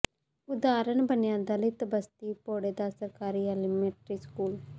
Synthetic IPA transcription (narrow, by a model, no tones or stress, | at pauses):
ʊd̪aːɾənbənjãːd̪aːləjt̪əbəst̪iːpoːɽeːd̪aːsəɾkaːɾiːɛlɪmeːʈɾiːskuːl